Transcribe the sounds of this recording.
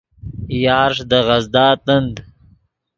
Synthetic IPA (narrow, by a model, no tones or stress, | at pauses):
jɑːɾʂd̪əʁɐzd̪ɑːt̪ənd̪